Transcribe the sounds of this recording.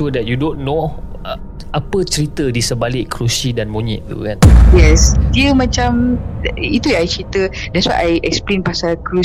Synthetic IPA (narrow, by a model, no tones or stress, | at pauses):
udɛt̚judõnːo | apət͡ʃəɾit̪ədisəbalɪʔkʰɾusidanmoɲḭ̃ʔ̚t̪ṵkãnjɛsdiəmãt͡ʃãm | it̪ujãajt͡ʃɾit̪ə | dɛtswa̰jʔajʔɛk̚splẽnpasakɾu